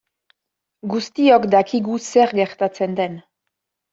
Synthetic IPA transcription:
ɡust̪iokd̪akiɣuseɾɡe̞ɾt̪at͡se̞nd̪e̞n

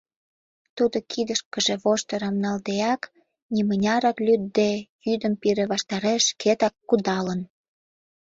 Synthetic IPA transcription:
t̪ud̪okʰid̪əʃkə̆ʒĕβoʃt̪ə̆ɾɑmnɑld̪eɑk | nimənʲɑɾɑklʲyd̪̚ːejyd̪əmpiɾeβɑʃt̪ɑɾeʃkʰet̪ɑkːud̪ɑlən

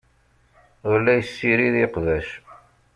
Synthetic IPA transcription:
wlːæjsːiɾiðiqðæʃ

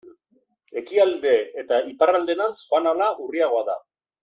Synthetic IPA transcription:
e̞kiald̪e̞ːt̪aiparald̪e̞nansχoanalaʔuriaɣ̞o̞aða̰

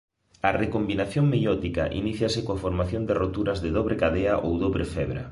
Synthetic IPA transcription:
ɐrekombinaθjoŋmejɔt̪ika̰ʔḭniθjasɪkoafoɾmaθjond̪ɪrot̪uɾɐzðeðoβɾekaðeaʔowðoβɾʔefɛβɾa̰

